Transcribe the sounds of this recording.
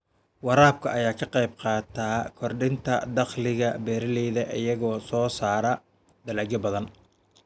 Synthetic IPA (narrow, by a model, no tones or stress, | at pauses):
wɑɾaːb̚kʰɐʔɐjaːkʰɐqɛjb̚qɑːt̪ʰaːkʰɔrɖɪnt̪ʰɐ̰d̪ɐqlɪɣɐbɛːɾɐlɛːðɐʔɪjɐɣɔːsɔːsaːɾɐ | d̪ɐlɐːɡɐbɐðɐn